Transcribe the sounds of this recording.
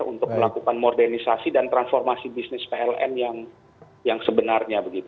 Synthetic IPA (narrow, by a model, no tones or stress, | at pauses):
ṵnt̪ʊk̚məlakukanmordɛrnisasidant̪ɾansfɔrmasibisnɪspeɛlɛ̰njaŋ | jaŋsəbənarɲabəɡit̪u